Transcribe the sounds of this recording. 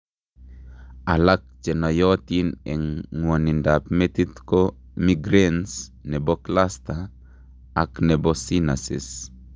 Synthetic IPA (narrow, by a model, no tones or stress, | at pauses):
alak̚t͡ʃɛnɔjɔt̪inɛŋːwonindapmet̪it̪ko | miɡɾensnɛbɔklast̪aː | knɛbɔsinasḭs